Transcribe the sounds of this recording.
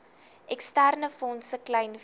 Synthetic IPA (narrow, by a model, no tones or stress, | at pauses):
ʔɛkstærnəfɔnsəklɛjn